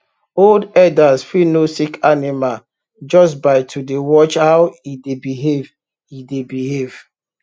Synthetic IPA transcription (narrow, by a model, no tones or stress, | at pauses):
oldɛdasfinosikanimal | d͡ʒɔsbaɪtʰudewɔt͡ʃhawidebiɦev | idebihev̥